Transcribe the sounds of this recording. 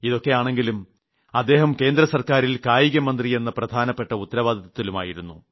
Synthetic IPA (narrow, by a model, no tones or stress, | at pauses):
iðo̞kːe̞jaːɳe̞ŋɡilum | ɐd̪ːe̞ːɦɐmke̞ːnd̪ɾɐsɐrkaːɾilkaːjiɣɐmɐnd̪rije̞nːɐprɐd̪ʱaːnɐpːe̞ʈːɐut̪ːɐɾɐʋaːd̪ʱɐðɐt̪ːiluma̰ːjiɾunːu